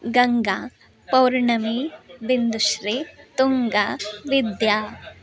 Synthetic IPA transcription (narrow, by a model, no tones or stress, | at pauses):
ɡɐŋɡa | pɐwɾɳɐmibind̪uʃɾit̪uŋɡaʋid̪jaː